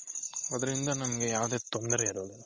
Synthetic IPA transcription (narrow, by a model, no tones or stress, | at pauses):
ɐd̪ɐɾind̪ɐnɐmɐɡejaːʋwd̪eːt̪ond̪ɐɾeiɾoːd̪u